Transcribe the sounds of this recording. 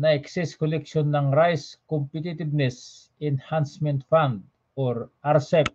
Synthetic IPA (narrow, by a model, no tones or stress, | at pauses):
naɛksiskolɛkʃonːaŋɾajskompit̪it̪ibnɛs | ɛnhansmɛ̃nt̪fãnd̪̚ | oɾaɾsɛp̚